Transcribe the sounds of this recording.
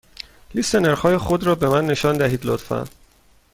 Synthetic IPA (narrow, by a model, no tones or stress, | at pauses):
list̪eneɾχhɒːje̞xod̪ɾɒːbe̞mænːe̞ʃɒːnd̪æɦiːd̪lo̰t̪fæ̰n